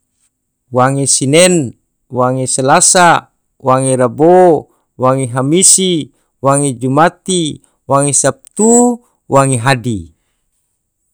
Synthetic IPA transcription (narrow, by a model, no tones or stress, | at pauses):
waŋesinɛn | waŋeselasa | waŋeɾabo | waŋeɦamisi | waŋed͡ʒumat̪i | waŋesap̚t̪u | waŋeɦadi